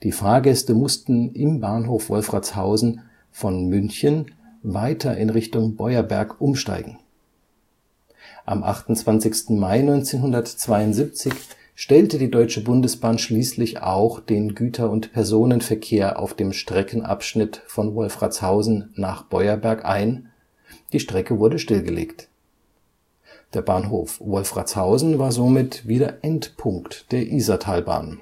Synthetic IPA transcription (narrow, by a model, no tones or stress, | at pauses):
d̥iːfaːɐɡɛstəmʊstn̩ʔɪmbaːnɦoːfv̥ɔlfʁ̥at͡shaʊzn̩ | fɔnmʏnçən | vaɪtʰɐʔɪnʁɪçtʊŋbɔʏɐbɛ̰ɐkʔʊmʃta̰ɪɡŋ̩ | ʔa̰mʔa̰χtʊnt͡sv̥ant͡sɪçstn̩maɪnɔʏnt͡seːnɦʊndɐtt͡sv̥aɪʊntz̥iːp̚t͡sɪç | ʃtɛltədiːdɔʏt͡ʃəbʊndəsb̥aːnʃliːslɪça̰ʊxd̥eːnɡyːtʰɐʊntpʰɛɐzoːnənfɛɐkʰeːɐʔa̰ʊfd̥eːmʃtʁ̥ɛkn̩ʔa̰pʃnɪtfɔnvɔlfʁa̰t͡shaʊzn̩ːaːχb̥ɔʏɐbɛɐkʔa̰ɪn | d̥iːʃtʁ̥ɛkəvʊɐdəʃtɪlɡəlḛːkt | d̥eːɐbaːnɦoːfvɔlfʁ̥a̰t͡shaʊzn̩vaːɐzomɪtviːdɐʔɛntpʰʊŋktd̥eːɐʔiːzɐtʰaːlba̰ːn